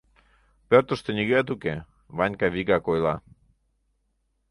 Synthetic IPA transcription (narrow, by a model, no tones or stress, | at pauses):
pørt̪ə̆ʃt̪eniɣøat̪uke | βɑɲʲkɑβiɣɑkojlɑ̰